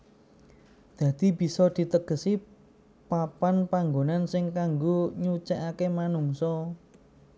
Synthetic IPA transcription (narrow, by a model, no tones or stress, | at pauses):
d̪̥ä̤d̪̥i̤b̥i̤sɔd̪̥i̤t̪əɡ̥ə̤si | papanpaŋɡonansɪŋkaŋɡoɲut͡ʃaʔakemanuŋsɔ